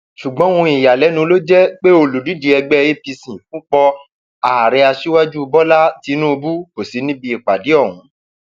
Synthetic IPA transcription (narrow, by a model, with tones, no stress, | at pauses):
ʃu˨ɡ͡bɔ̃˦ũ˧˦i˨ja˨lɛ˨˦nũ˧lo˦d͡ʒɛ˦k͡pe˦o˧˨lu˨di˨˦di˧ɛ˧ɡ͡bɛ˦e˦pi˧sĩ˨fũ˨˦k͡pɔ˧ | a˨ɾɛ˧a˧ʃi˦wa˦d͡ʒu˦˧bɔ˦la˦ti˨˦nũ˦o˧bu˦ko˨si˨˦nĩ˦bi˧i˨k͡pa˨di˨˦ɔ˦˨wũ˨˦